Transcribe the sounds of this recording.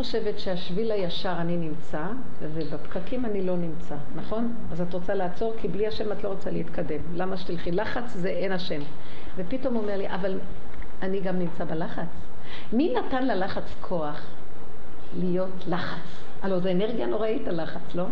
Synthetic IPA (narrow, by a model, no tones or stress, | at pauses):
nχoʃe̞ve̞tʃeaʃvilajaʃaʁaninimt͡sa | vebepkakimanilo̞nimt͡sanaχo̞n | azatʁo̞t͡salaːt͡so̞ʁkʰibliaʃe̞matlo̞ʁot͡saleit̪kade̞mlamaʃt̪ilχilaχat͡szeʔenaʃe̞m | ve̞pito̞mome̞ʁliʔaval | aniɡamnimt͡sabelaχat͡s | minatanlelaχat͡skʰo̞aχ | lijo̞tlaχat͡s | alozeːneʁɡjano̞ʁaitalaχat͡slo̞